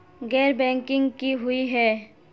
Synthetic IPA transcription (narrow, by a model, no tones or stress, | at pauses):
ɡɛːɾbɛ̃ːŋkɪ̃ŋɡkiɦʊiɦɛː